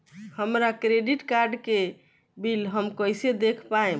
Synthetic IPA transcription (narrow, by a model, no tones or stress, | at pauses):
həmɾakɾeɖiʈkaɾɖke | bilɦəmkəjsed̪ekʰpae